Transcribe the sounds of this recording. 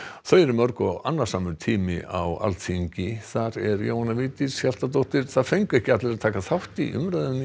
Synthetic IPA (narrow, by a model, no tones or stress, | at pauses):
θœːjɛɾʏmœɾkɔanːaɾ̥saːmʏɾt̪ʰiːmɪ̰ʔa̰wa̰lt̪siɲcɪθaɾɛɾjo̰whanaviːt̪ɪsçal̥t̪at̪̬owht̪ɪɾ̥θaðfejŋkɛhcɪat̪lɪɾat̪ʰaːkaθawht̪ḭʔʏ̰mɾaðʏn